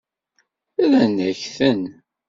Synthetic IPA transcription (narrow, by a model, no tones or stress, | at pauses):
æðænːæçθən